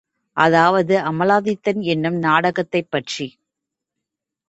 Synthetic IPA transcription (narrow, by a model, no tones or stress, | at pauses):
ʔɐðaːʋɐðɯʔɐmɐlaːðɪt̪ːɐnɛnːɯmnaːɽɐɣɐt̪ːɐɪpːɐʈri